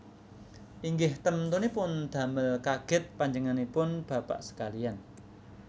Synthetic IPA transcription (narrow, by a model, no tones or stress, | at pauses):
ʔiŋɡɪht̪əmənt̪unepʊnd̪̥ä̤mɪlkaɡ̥ɪt̪̚paɲd͡ʒəŋanipʊnb̥ä̤pa̰ʔsə̥kalian